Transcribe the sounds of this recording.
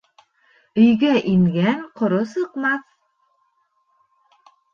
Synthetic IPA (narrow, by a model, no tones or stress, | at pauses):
ɵ̆jɡæʔiŋɡæŋqŏɾosɤ̆qmɑθ